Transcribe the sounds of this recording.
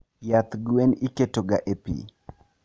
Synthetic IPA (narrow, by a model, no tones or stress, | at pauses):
jat̪ɡweniketoɡaʔepḭ